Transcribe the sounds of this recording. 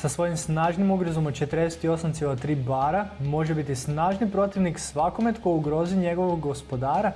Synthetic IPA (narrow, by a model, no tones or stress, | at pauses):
sasʋo̞jimsnaːʒnimuɡɾozomot͡ʃe̞t̪ɾd̪eset̪io̞samt̪ielˠat̪ɾiːbaːɾamo̞ʒebit̪isnaːʒnipɾo̞t̪iʋniksʋako̞me̞t̪ko̞juɡɾo̞ːziɲe̞ɡo̞ʋoɡɡospo̞d̪aːɾa